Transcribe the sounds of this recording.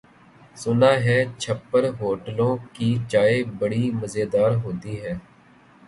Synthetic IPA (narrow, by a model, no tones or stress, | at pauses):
sʊnaːɦɛːt͡ʃʰəpːəɾɦoːʈəlõːkiːt͡ʃaːeːbəɽiːməzeːd̪aːɾɦoːt̪iːɦɛː